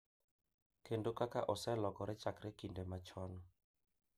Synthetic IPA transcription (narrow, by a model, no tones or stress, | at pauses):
kendokakaʔosɛlɔkɔɾet͡ʃakɾekindemat͡ʃɔnɔ